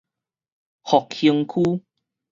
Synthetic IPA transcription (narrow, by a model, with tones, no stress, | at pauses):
hɔ˨k̚hi˧əŋkʰu˦